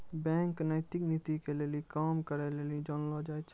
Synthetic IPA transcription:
bɛ̃ŋknəɪt̪iknit̪ikelelikaːmkəɾɛlelid͡ʒɔnlɔd͡ʒajt͡ʃʰ

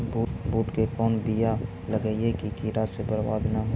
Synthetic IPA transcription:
buːbuːʈkekɔːnbija | ləɡəiekikiːɾasebəɾwa̰ːd̪naɦo

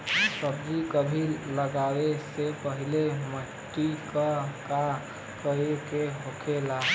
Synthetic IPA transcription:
səbd͡ʒikəbʱiləɡawesepəɦileməʈːikəka | kəekeɦokʰela

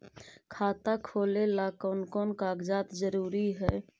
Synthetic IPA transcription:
kʰaːt̪akʰoːlelaːkonkoːnkaːɡd͡ʒaːt̪d͡ʒəɾuːɾiɦɛː

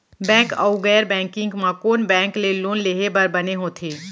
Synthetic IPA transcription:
bɛ̃ːŋkɐ̰uɡɛːɾbɛ̃ːŋkɪ̃ŋɡmãkoːnbɛ̃ːŋkleloːnleːɦebɐɾbɐneɦõːt̪ʰeː

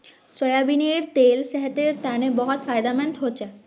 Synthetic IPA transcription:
sɔjabineɾt̪elsɛɦɛt̪eɾt̪anebɔɦot̪fʰajd̪ament̪ɦot͡ɕʰe

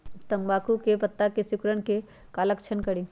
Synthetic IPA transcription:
t̪ɐmbaːkukepɐt̪ːakesʊkɾəɽ̃ke | kaːləkt͡ʃʰənkɐɽiː

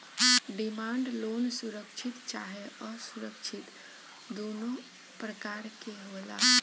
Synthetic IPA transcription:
ɖimaɳɖlonsuɾəkt͡ʃʰit̪t͡ʃaɦɛɔsuɾəkt͡ʃʰit̪ | d̪ono | pɾəkaɾkeɦoela̰ɦ

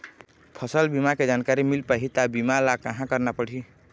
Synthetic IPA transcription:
pʰəsəlbimaked͡ʒankaɾimilpaɦit̪abimalakəɦãkəɾnapəɽ̤i

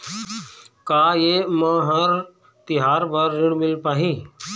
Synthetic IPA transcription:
kaːjemə̃ɦəɾ | t̪ɪɦaːɾbəɾːɪɽ̃mɪlpaːɦiː

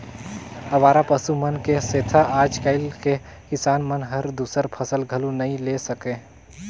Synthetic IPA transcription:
əʋaːɾapəsumənkeset̪ʰaʔaːd͡ʒkəɪlke | kɪsaːnmənɦəɾd̪usəɾpʰəsəlɡʱəlunəĩlesəkẽ

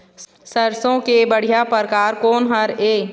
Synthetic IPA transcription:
səɾsõkebəɽ̤ijapəɾkaːɾkoːnɦəɾeː

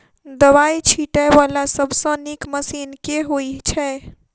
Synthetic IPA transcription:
d̪əβajt͡ʃʰiʈajbalasəbʱsə̃nikməsinkeɦojt͡ʃʰɛ

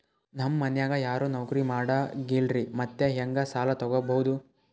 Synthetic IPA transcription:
nɐmːɐnjaːɡɐjaːɾoːnɐwkɐɾimaːɽɐɡilɾimɐt̪ːeɦɐŋɡɐsaːlɐt̪ɔɡɔbɐɦud̪u

